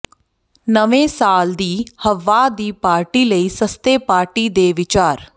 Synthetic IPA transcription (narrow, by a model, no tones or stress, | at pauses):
nəʋẽːsaːld̪iːhəʋaːd̪iːpaːɾʈiːləiːsəst̪eːpaːɾʈiːd̪eːʋɪt͡ʃaːɾ